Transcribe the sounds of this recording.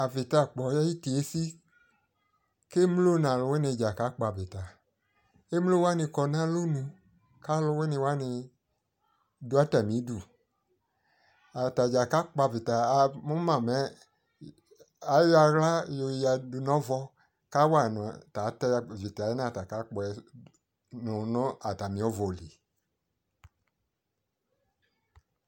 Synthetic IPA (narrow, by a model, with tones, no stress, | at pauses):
a˨vɪ˨ta˨k͡pɔ˨jɛ˦ji˦te˨e˦si˦ | ke˦m˦lo˦nã˨lʊ˨˧we˦ne˧˨d͡ʒa˨ka˨˦k͡pa˨vi˨ta˨ | e˦m˦lo˦wa˦nɪ̃˧kɔ˧nã˦lo˦nũ˧ | ka˦lʊ˧wɛ˦nɪ̃˧wa˦nɪ˧ | du˨˦a˨˦ta˨mĩ˨˦du˨ | a˨ta˨d͡ʒa˨ka˦k͡pa˧˨vɪ˨ta˨mu˦mã˨mɛ˨˦ | a˨˦ja˧ɣla˦jo˧˨ja˨du˨nɔ̃˦vɔ˧ | ka˦wa˦˨n˨ta˨˦tɛ˧˨vi˨ta˨ɛ˦na˦˨ta˨ka˦k͡pɔ˧˨ɛ˨˦ | nu˨nɔ˦a˨ta˨mĩ˨˦ɔ˦vɔ˨li˨